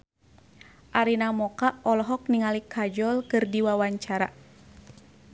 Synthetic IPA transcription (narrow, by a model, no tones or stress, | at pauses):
ʔaɾinamɔkaʔɔlɔɦɔk̚niŋalikʰad͡ʒɔlkɨrdiwawaɲt͡ʃaɾa